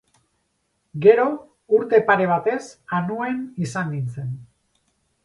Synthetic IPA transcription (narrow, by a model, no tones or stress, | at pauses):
ɡe̞ɾo̞ | uɾt̪e̞paɾe̞β̞at̪e̞sanue̞nisanɡ̪int͡se̞n